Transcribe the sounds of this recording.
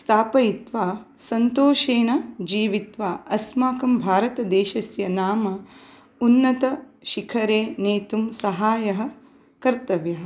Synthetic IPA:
st̪ʰaːpɐit̪ʋaːsɐnt̪oːʃeːnɐd͡ʒiːʋit̪ʋaːɐsmaːkɐmbʱaːɾɐt̪ɐd̪eːʃɐsjɐnaːmɐ | unːɐt̪ɐ | ʃikʰɐɾeːneːt̪umsɐɦaːjɐɦɐ̆ | kɐɾt̪ɐʋjɐɦɐ̆

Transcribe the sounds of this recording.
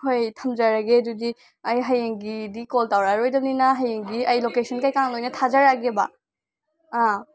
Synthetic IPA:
ɦʰojtʰɐmd͡ʒɐɾɐɡedudi | ɐjɦɐjeŋɡidikoltawɾaɾojdɐmninɐɦɐjeŋɡiɐjlokesʰɐnkajkaŋlojnɐtʰazaɾaɡebɐ̰ | a

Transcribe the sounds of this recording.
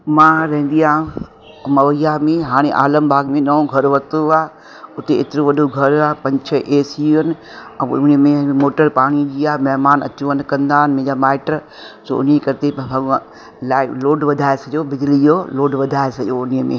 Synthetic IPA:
mãɾɐɦɪ̃n̆d̪ijãː | mɐʋəijamẽɦaːɽ̃eʔaːləmbʱaːɡmẽnɐõɡʱɐɾʋɐt̪uaː | ʊt̪eɪt̪ɪɾõʋɐɗʱoɡʱɐɾaːpɐ̃ɲt͡ʃʰəʔeːsiuənɪ | ʊnimẽmoːʈəɾpaːɽ̃id͡ʑiaːmɐɦmaːnɐ̰t͡ɕuənkɐ̃nd̪aːɦɪnmẽd͡ʑaːmaːɪʈɾ | so̰ʊniekɐɾt̪eɐ | laːloːɖʋɐd̪ʱaːesɐʄobɪd͡ʑlid͡ʒoloːɖʋɐd̪ʱaːesɐʄoʊniəmḛ̃

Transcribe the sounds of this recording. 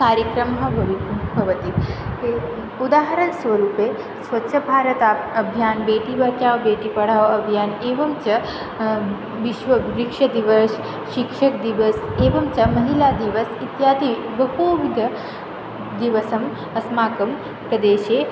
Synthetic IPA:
kaːɾjɐkɾɐmɦɐbʱɐʋibʱɐʋɐt̪it̪ke | ud̪aːɦɐɾɐnsʋɐɾuːpeː | sʋɐtːʃʰɐbʱaːɾɐt̪aɐbʱjaːnbeːʈiʋɐkjaːʋbeːʈipɐɽ̤aːʋɐbʱijaːneːʋɐmt͡ʃɐ | ʋiʃʋɐɾikʂɐd̪iʋɐs | ʃikʂɐk̚d̪iʋɐseːʋɐmt͡ʃɐmɐɦilaːd̪iʋɐsit̪jaːd̪i | ʋɐɦoːʋid̪ʱɐ | d̪iʋɐsɐm | ɐsmaːkɐm | kɐd̪eːʃeː

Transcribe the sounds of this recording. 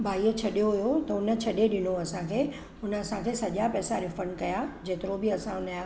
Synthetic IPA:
bʱaːiət͡ɕʰɐɗijoɦʊjot̪ɐʊnə̆t͡ɕʰɐɗeɗɪnoɐsãkʰeː | ʊnə̆ɐsãkʰeːsɐʄapɛːsaɾɪfənkɐjad͡ʑeːt̪ɪɾobɪɐsãʊna

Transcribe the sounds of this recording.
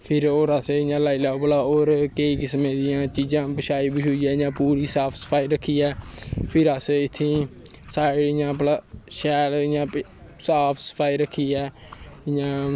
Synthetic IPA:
pʰɪɾoːɾaseɪjãːlaːiːlaːoplaːoːɾkeiːkɪsmẽːd̪ɪjãːt͡ʃiːd͡ʒãːbəʃaːiːbɪʃʊiːɛːɪjãːpuːɾiːsaːpʰsə̥pʰaːiːɾəkʰːiːɛːpʰɪɾəseɪt̪ʰːĩː | saːɽɪjãːplaːʃɛːlɪjãː | saːpʰsə̥pʰaːiːɾəkʰːiːɛːɪjãː

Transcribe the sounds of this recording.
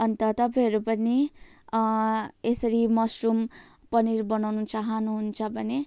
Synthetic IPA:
ʌnt̪ʌt̪ʌpaɦʌɾupʌni | esʌɾimʌsrum | pʌniɾbʌnawnut͡saɦʌnuɦunt͡sʰʌbʱʌne

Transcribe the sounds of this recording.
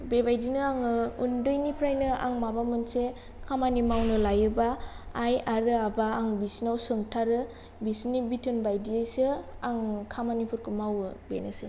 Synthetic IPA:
bebajdinɯaŋɯundɯjnipʰɾajnɯa̰ŋmabamɯnse | kʰamanimawnɯlajɯbaːjaɾɯabaːŋbisnawsɯŋtʰaɾɯ | bisnibitʰɯnbajdiajsɯaŋkʰamanipʰɯɾkʰɯmawɯbḛnɯsɯ

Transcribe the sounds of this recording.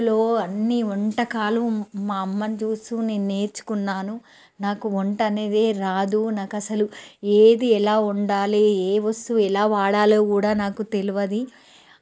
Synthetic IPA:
lo̞ːɐnːiɔɳʈɐkaːlɐmmaːɐmːɐnid͡ʒuːst̪uːne̞ːnːe̞ːɾt͡ʃːu̥kunːaːnu | naːkuoɳʈɐne̞ːd̪e̞ːɾaːd̪unaːkɐsɐlueːd̪iɛlaːuɳɖaːlieːʋɐst̪uːɛlaːʋaːɽaːloːkuːɽaːnaːkut̪e̞luʋɐd̪i

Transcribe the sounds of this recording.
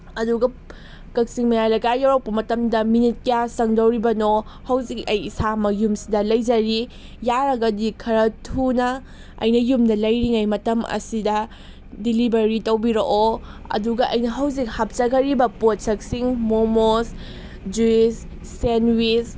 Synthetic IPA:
ɐduɡɐ | kɐk̚siŋmɐjajlɐjɡajːawɾɐw̚pːɐmɐtɐmdɐminit̚kjasɐŋdɐwɾibɐno | hɐwzik̚ɐjisamɐjumsidɐlɐjd͡ʒɐɾi | jaɾɐɡɐdikʰɐɾɐtʰunɐ | ɐ̰jnɐjumdɐlɐjɾiŋajmɐtɐmɐ̰sidɐ | dilibɐɾitɐwbiɾoʔoɐ̰duɡɐʔɐjnɐɦɐwzik̚hɐp̚t͡ʃɐɡɐɾibɐpot̚sɐk̚siŋmomos | d͡ʒuisː | enwis

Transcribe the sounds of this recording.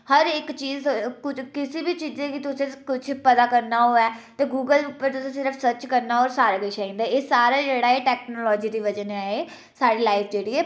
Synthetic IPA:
həɾɪkt͡ʃiːzkʊt͡ʃʰkɪsibiːt͡ʃiːzẽːkɪt̪ʊsẽːkʊt͡ʃʰpət̪aːkəɾnaːɦoːɛːt̪eːɡuːɡəlʊpːəɾt̪ʊsẽːsɪɾəfʰsət͡ʃkəɾnaːɔːɾsaːɾaɡəʃaĩːnd̪aɛːeːsaːɾaːd͡ʒeːɽaːeːʈɛːknoːlɔːd͡ʒiːd̪iːʋəd͡ʒənaːeː | saːɖiːlaːɪpʰd͡ʒeːɽiːɛː

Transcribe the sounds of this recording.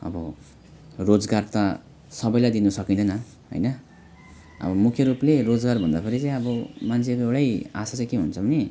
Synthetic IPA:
ʌ̰bʌ | rod͡zɡart̪ʌ | sʌbʌjlajd̪inusʌkĩd̪ʌnʌ | ɦʌ̰jnʌ | ʌ̰bʌmukʰjʌɾuplerod͡zɡarbʱʌnd̪apʌɾit͡saĩʌbʌmant͡sʰepewɽaja̰sat͡sãĩkeɦṵnt͡sʰʌbʌni

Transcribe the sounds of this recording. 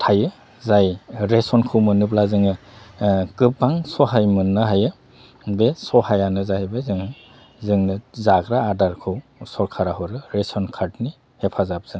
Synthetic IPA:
tʰajɯ | zajɾesɔnkʰɯwmɯnɯblazɯŋɯ | kɯpːaŋsɔɦajmɯnːɯɦajɯ | besɔhajanɯzajbezɯŋɯ | zɯŋnɯzaɡɾaːdaɾkʰɯwsɔɾkʰaɾaɦɯɾɯɾesɔnkʰaɾtni | hepʰazab̚z̥ɯn

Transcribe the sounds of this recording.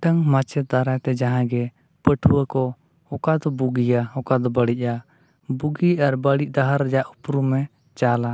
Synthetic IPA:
ʈəŋmat͡ʃɛd̪aɾajt̪ɛd͡ʒaɦãɡɛ | pəʈʰuwəkɔ | ɔkad̪ɔbuɡijaɔkad̪ɔbəɽic̚ˀa | buɡiaɾbəɽic̚ˀd̪aɦaɾːɛd͡ʒaʔupɾumɛ | t͡ʃala

